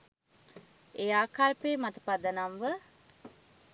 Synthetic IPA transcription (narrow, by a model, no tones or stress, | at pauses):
ejaːkalpeːmat̪ə̥pad̪ənamʋə